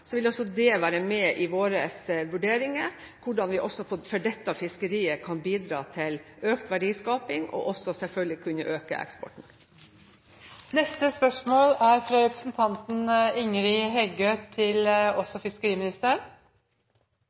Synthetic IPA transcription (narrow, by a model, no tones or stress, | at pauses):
sɔʋɪlɔsɔd̪ɛʋæːɾəmɛʔɪʋoːɾəsʋʉɖeːɾɪŋə | kʰʊɖɑnʋɪʔɔsɔpʰɔfœɖɛt̪ːəɑfɪskəɾiːəkʰɑnbiːd̪ɾɑːt̪ʰɪløːkt̪ʋæɖiːskɑːpɪŋɔ̰ʔɔsɔsɛlfœɡ̪əɪkʰʉnəʔøːkə̰ʔɛ̰kspɔ̰ʈɳ̩ | nɛst̪əspœʂmoːlæɾfɾɑɾɛpɾəsnt̪ʰɑnt̪n̩ɪŋɾɪɦɛɡøːt̪ʰɪlɔsɔfɪskəɾiːmɪnɪst̪əɾəɳ